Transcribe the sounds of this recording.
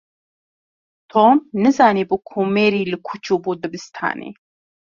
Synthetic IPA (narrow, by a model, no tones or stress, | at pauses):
t̪ʰɔmnɨzanibukʰumɛɾilɨkʰut͡ʃʰubud̪əbɨst̪ʰa̰ːnḭ